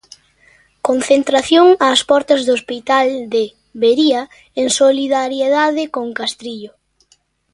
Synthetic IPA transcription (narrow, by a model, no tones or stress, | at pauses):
konθent̪ɾaθjoŋaːspɔɾt̪ɐzðospit̪ald̪e | βeɾia | eŋsoliðaɾjeðaðɪkoŋkast̪ɾiʎʊ